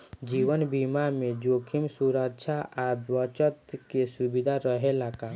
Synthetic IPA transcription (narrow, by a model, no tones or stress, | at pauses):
d͡ʒiwənbimamed͡ʒokʰimsuɾəkʃʰaʔawət͡ʃət̪kesubid̪ʱaɾəɦelaka